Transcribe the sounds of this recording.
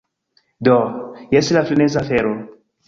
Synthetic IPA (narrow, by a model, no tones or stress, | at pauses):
dɔjɛsilaflinɛzafɛɾo